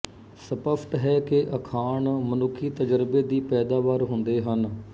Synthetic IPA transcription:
səpəpʰʈɦɛːkeʔəkʰaːɳmənʊkʰːiːt̪əd͡ʒəɾbeːd̪iːpɛːd̪aːʋaːɾɦʊnd̪eːɦən

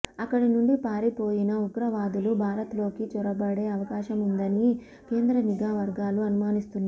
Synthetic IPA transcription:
ɐkːɐɽinuɳɖipaːɾipo̞ːjinɐuɡɾɐʋaːd̪ulubʱaːɾɐt̪lo̞ːkit͡ʃuɾɐbɐɽe̞ːɐʋɐkaːʃɐmund̪ɐni | ke̞ːnd̪ɾɐniɡaːʋɐɾɡaːluɐnumaːnist̪unːa

